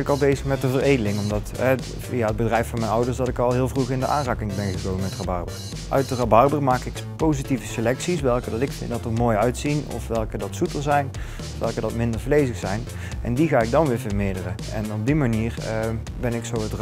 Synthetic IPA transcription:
ɪkɑlˠbejzəxmɛtəvərejdəlɪŋɔmdɑtɛ | vijaəd̚bədrɛjfɑnmɛjnʌwdəɹsdɑtɪkɑlˠɦɪːlˠvruxɪndəʔaːnraːkɪŋbɛnɣəkowməmɛtrabɑɹbər | ʔœ̰ɥt̚dərɑbɑɹbərmaːkɪk | powzitivəsəlɛksisʋɛlˠkədɑtɪkfɪ̰ndɑtətmoːjœɥtsinɔ̰fʋɛlˠkədɑtsutəlzɛjn | ɔfʋɛlˠkədɑtmɪndəɹvlejzəxsɛjn | ʔɛ̰ndiɣaːɪɡ̚dɑnʋɪːɹvəɹmɪːdərə | ɛ̰nɔb̚dimaniːr | bɛnɪksowətr

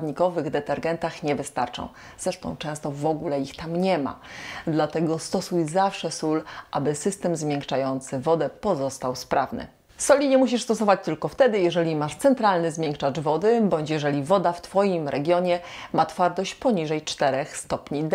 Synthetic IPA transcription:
d̪ɲikɔvɘɣd̪ɛt̪ɛɾɡɛnt̪axɲɛvɘst̪aɾt͡ʂɔ̰̃w̃ | z̥ɾɛʂt̪ɔ̃w̃t͡ʂɛ̃w̃st̪ɔvɔɡulɛixt̪amɲɛma̰d̪lat̪ɛɡɔst̪ɔsujzafʂɛsulʔabɘsɘst̪ɛmzmʲjɛŋkt͡ʂajɔnt̪sɘvɔd̪ɛpɔzɔst̪awspɾʔavnɘ̰ | sɔlʲiɲɛmuɕ̬iʂst̪ɔs̬ɔvat͡ɕt̪ɘlkɔft̪ɛd̪ɘjɛʐɛlʲimaʂt̪sɛnt̪ɾalnɘzmʲjɛŋkʂad͡ʒvɔd̪ɘbɔɲt͡ɕjɛʐɛlʲivɔd̪aft̪fɔjimɾʔɛɡʲjɔɲɛmat̪faɾt̪ɔɕt͡ɕpɔɲiʐɛjt͡ʂt̪ɛɾɛxst̪ɔpɲid̪

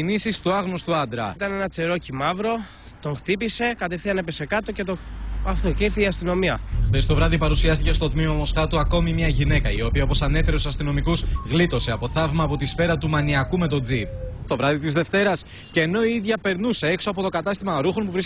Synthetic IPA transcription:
inisist̪uɐɣnost̪uɐnd̪ɾɐ̰t̪ɐnenɐt͡se̞ɾo̞cimɐvɾo̞ | t̪o̞ŋxt̪ipise̞kɐt̪efθiɐne̞pese̞kɐt̪o̞ce̞t̪oɐft̪ociɾθiːɐst̪ino̞miɐxθest̪o̞vɾɐðipɐɾusiɐst̪ice̞st̪o̞t̪mimɐmo̞sxɐt̪uɐko̞mimɲɐʝine̞kɐio̞piɐopo̞sɐne̞fe̞ɾet̪usɐst̪ino̞mikusɣlit̪o̞se̞ɐpo̞θɐvmɐːpo̞t̪isfe̞ɾɐt̪umɐniɐkume̞t̪o̞d͡zipst̪o̞vɾɐðit̪izðe̞ft̪e̞ɾɐs | ceːno̞iiðʝɐpe̞ɾnuse̞e̞ksoɐpo̞t̪o̞kɐt̪ɐst̪imɐɾuxonpuvɾis

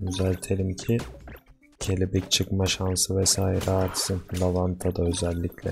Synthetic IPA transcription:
øzɛlʲt̪ʰe̞lʲimcʰi | cʰe̞lʲibɛct͡ʃʰɯkmaʃansɯvɛsaːjiɾaɾt̪sɯnlˠavant̪ʰad̪aø̞zɛlʲːiclʲɛ̰

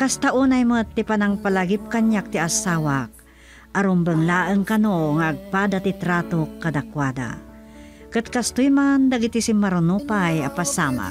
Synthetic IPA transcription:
kast̪aʔuːnajmət̪ːipanaŋpalaɡip̚kaɲjak̚t̪iasaːwak | ʔaɾʊmbəŋlaːʔəŋkanoŋaʔːɡ̚paːd̪at̪it̪ɾaːt̪okːad̪akwad̪a̰ | kɨt̪̚kast̪ʊjmand̪aɡit̪isimmaɾʊnupajapasaːma̰

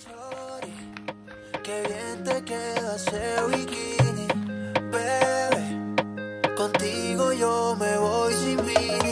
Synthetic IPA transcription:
t͡ʃoɾja | keβjent̪ekeðasewikinipeɾe | kont̪iɣojomeβojsimbi

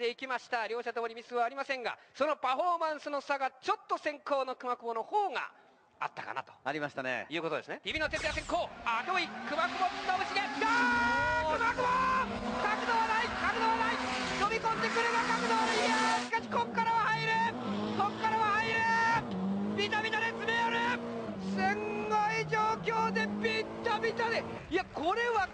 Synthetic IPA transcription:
e̞ikʲimaɕi̥t̪aɾʲo̞ːɕat̪omoɾʲimʲisɨβaːɾʲimasẽ̞ŋɡa̰so̞no̞paɸo̞ːmãɰ̃sɨno̞saɡat͡ɕo̞t̪ːo̞sẽ̞ŋko̞ːno̞kɯ̟makɯmo̞no̞hoːŋa̰ | a̰t̪ːaka̰na̰t̪o̞̥aɾʲimaɕi̥t̪anḛjɯ̟ːkot̪od̪esɨned̪ʲibʲino̞t̪̬e̞t̪jas̬ẽ̞ŋkoːat̪oikɯ̟makɯ̟boɯt̪ːoɯ̟t͡ɕiɡea | ɯmakɯbokakɯ̟d̪oβanaikakɯ̟d̪oβanainobʲikõ̞nd̪e̞kɯ̟ɾeɡakakɯ̟d̪oaɕi̥kaɕi̥kokːaɾaβahaiɾɯ | kokːaɾaβahaiɾɯ | bʲit̪amʲit̪ad̪et͡sɨɾejaɾɯ | sẽŋɡaid͡ʑoːkʲo̞ːd̪e̞bʲit̪ːamʲit̪ad̪e | ijakʰoɾe̞βa

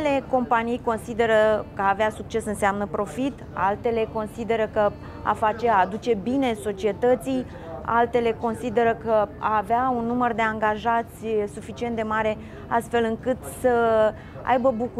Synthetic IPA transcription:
le̞ko̞mpanijko̞nsid̪e̞ɾəkəaːveasuk̚t͡ʃe̞sɨnseamnəpɾo̞fit̪a̰lt̪e̞le̞ko̞nsid̪e̞ɾəkə | a̰fat͡ʃe̞aːd̪ut͡ʃe̞bine̞so̞t͡ʃie̞t̪ət̪sij | a̰lt̪e̞le̞ko̞nsid̪e̞ɾəkəa̰ːveaunːumərd̪e̞aŋɡaʒat̪sʲsufit͡ʃiet̪d̪e̞maɾe̞ | a̰st̪fe̞lɨŋkɨt̪sə | a̰jbəbuku

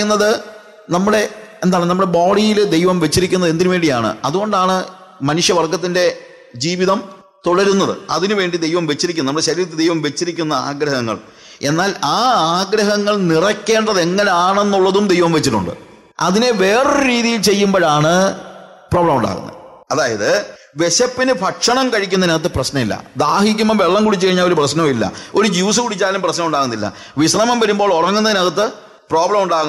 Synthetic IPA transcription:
nːɐðɨ | nɐmːuɽe̞end̪aːɭenɐmːuɽe̞boːɽijild̪e̞jʋɐmʋe̞t͡ɕːiɾikʲːunːɐðend̪iɾumʋeːɳɖijaːɳɨ̰ɐðuɣo̞ɳɖaːɳɨ | mɐnuʂjɐʋɐrkːɐt̪̬ːinde̞ | d͡ʑiːʋiðɐm | t̪oɽɐɾunːɐðɨ̰ɐðinɨʋe̞ːɳɖid̪e̞jʋɐmʋe̞t͡ɕːiɾik̬ʲːunːnɐmːuɽeɕɐɾiːɾɐt̪ːɨd̪ejʋɐmʋe̞t͡ɕːiɾikʲːunːɐa̰ːɡɾɐɦɐŋːɐ̰ɭ | e̞nːaːlaːaːɡɾɐɦɐŋːɐɭnirɐkʲːe̞ːɳɖɐðe̞ŋːɐne̞aːɳe̞nːuɭːɐðumd̪e̞jʋɐmʋet͡ɕːiʈːṵɳɖɨ̰ | ɐ̰ðine̞ʋe̞ːreɾiːðijilt͡ɕe̞jːumbɐɻaːɳɨ | proːbɭɐmuɳɖa̰ːɣṵnːɐ̰ð | ɐðaːjɐðɨ | ʋe̞ɕɐpːinɨpɐkʂɐɳɐmkɐɻikʲːunːɐneðɐt̪ːɨprɐɕnɐmilːɐ̰d̪aːhikʲːumːɐʋeɭːɐmkuɽit͡ɕːɨkɐɻiɲaːlo̞ɾuprɐɕnɐmilːɐ̰o̞ɾud͡ʑiʋɐs̬ukuɽit͡ɕːaːlumprɐɕnɐmuɳɖaːɣunːilːɐ̰ | ʋisrɐmɐmʋɐɾumbo̞ːɭorɐŋːunːɐðɨneɣɐt̪̬ːɨ | pro̞ːbɭɐmuɳɖaːɣu

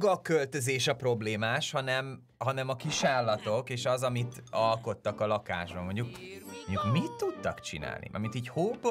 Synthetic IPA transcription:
ɡɒkølt̪ø̞zeːʃɒpro̞bleːmaːʃhɒnɛm | ɦɒnɛmɒkiʃaːlːɒt̪o̞keːʃɒzɒmit̪ɒlko̞t̪ːɒkɒlɒka̰ːʒbɒmo̞ɲɟuk̚moɲɟukmit̪ːut̪ːɒkt͡ʃḭna̰ːlnḭʔɒ̰mint̪iːchoːb

